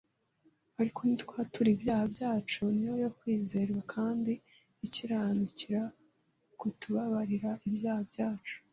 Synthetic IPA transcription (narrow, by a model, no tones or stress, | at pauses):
βaɾikonitkwaːtuɾibjaːhabjaːt͡ʃunijojokwiːzeːɾiɾakʰaːndiː | ciɾanuciɾa | kutuβaβaɾiɾaʔibjaːhabjaːt͡ʃu̥